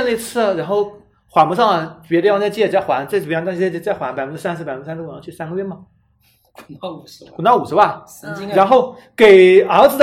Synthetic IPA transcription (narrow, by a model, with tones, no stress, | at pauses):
na˥˧i˧˥t͡sʰɹ̩˥˩ɻa˧˥nxo˥˩ʊ | xwa˧˩mu˧˥ʂɑ˥˩ŋɐ˩pjɛ˧˥d̪jt͡sa˥˧ɪt͡ɕjɛ˥˩t͡sa˥˩ɪxwa˧˥nt͡sjt̪t͡sa˥˩ɪxwa˧˥npa˨˩ɪ˥ə˧sa˥nsʰɹ̩˥pa˨˩ɪə˧˥s̩˥˩˨ɑ˧˥t͡ɕʰy˥˩sa˥nɡə˧ɥɛ˥˩mɐ˨˩ | ku˨˩t̪ɑ˥˩u˨˩ʂɻ̩˥wa˥˩ | ɻa˧˥nxo˥˩ʊ | ke˨˩ɪə˞˧˥d͡zɹ̩˧d̪